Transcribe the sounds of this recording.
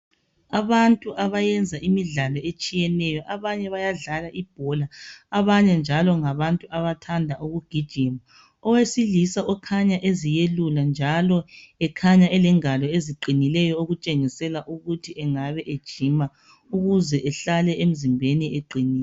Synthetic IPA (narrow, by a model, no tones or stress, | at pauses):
aβantʼuʔaβajɛnd͡zʱaʔimiɮalɔet͡ʃʼijɛnɛjɔʔaβaɲɛβajaɮalaʔib̥ʱɔlaaβaɲɛnd͡ʒʱalɔŋaβantʼuʔaβatʰandʱaʔoɣuɡ̥ʱid̥ʒ̥ʱim | ɔwesilisaʔɔkʰaɲaʔezijeluland͡ʒʱalɔɛkʰaɲaʔɛlɛŋalɔeziǃinilɛjɔoɣut͡ʃʼeŋisɛlaʔuɣutʰiʔɛŋaβɛʔed̥ʒ̥ʱima | uɣuzɛʔɛɬalɛʔem̩zimbʱenieǃiniː